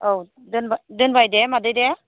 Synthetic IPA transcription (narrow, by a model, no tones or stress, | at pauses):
ʔow | dənbadənbajdɛmadəjdɛ